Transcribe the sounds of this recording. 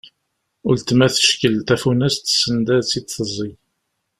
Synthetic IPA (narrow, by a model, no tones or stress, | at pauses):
ʊlt̪mæθə̥ʃkəlt̪æfunæst̪sːənd̪æt͡sːid̪θəzˤːi